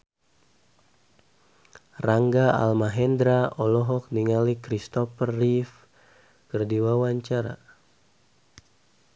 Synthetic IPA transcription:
raŋɡaa̰lmaɦɛnd̪ɾaʔɔlɔɦɔk̚niŋalikɾist̪ɔfərːif | kərdiwawaɲt͡ʃaɾa̰

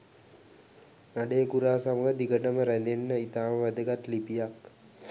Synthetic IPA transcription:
naɖeːɡuɾaːsaməɡəd̪iɡəʈəməɾænd̪enːəit̪aːməʋæd̪əɡat̪lipijak

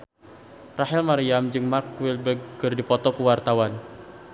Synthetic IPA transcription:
raɦilmaɾiamd͡ʒɨŋmark̚wɪlbəɡɡɨrdipɔt̪ɔkuwart̪awan

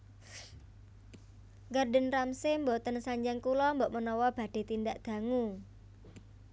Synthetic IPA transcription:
ɡarɖə̤nramsɪmbot̪ənsaɲd͡ʒaŋkulɔmbɔʔmənɔwɔb̥ä̤d̥e̤t̪ind̪aʔd̪̥ä̤ŋu

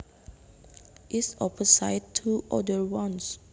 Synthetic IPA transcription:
ʔisɔpəsaɪd̚tʰːuʔɔ̰dəwɔ̃ns

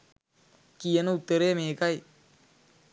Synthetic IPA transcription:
kijɐnɐut̪ːɐɾeːmeːkɐj

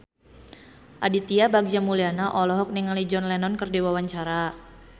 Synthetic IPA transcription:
ʔadit̪iabaɡ̚d͡ʒamulianaʔɔlɔɦɔk̚niŋalid͡ʒɔnlɛnɔnkərdiwawaɲt͡ʃaɾa

